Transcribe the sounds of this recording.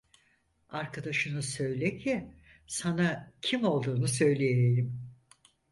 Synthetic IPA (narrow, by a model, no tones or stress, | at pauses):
aɾkʰad̪aʃɯnɯsø̞jlʲɛcʰi | sanacʰimo̞lˠd̪uːnusø̞jlʲejeelʲim